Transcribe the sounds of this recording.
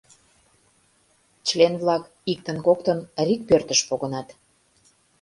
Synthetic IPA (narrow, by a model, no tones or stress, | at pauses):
t͡ɕlenβlɑk | ik̚t̪ə̆nkokt̪ənɾik̚pørt̪əʃpoɣə̆nɑt̪